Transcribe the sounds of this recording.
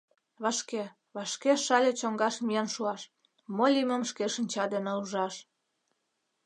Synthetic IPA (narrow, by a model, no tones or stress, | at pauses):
βɑʃke | βɑʃkeʃɑlʲet͡ɕoŋɡɑʃmijɑnʃuɑʃ | molʲiməmʃkeʃə̆nʲt͡ɕɑd̪eneuʒɑʃ